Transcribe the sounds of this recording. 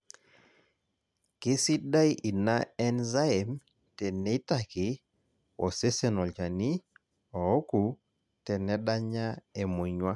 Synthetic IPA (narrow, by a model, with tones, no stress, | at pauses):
kɪ˦si˦da˦i˦ʔi˨na˦ɛ˦nza˦ɛ˨m | tɛ˨ne˦ta˨kɪ˨˦ | o˨se˦se˨nɔ˨lt͡ʃa˨ni˦ | ɔ˨ɔ˦ku˨ | tɛ˨nɛ˦da˦ɲa˦e˨mo˨ɲwa˦